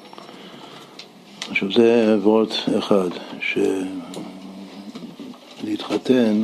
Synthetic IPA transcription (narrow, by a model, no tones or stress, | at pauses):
aχʃavzeevʁot̪eχadʃe | leitχaten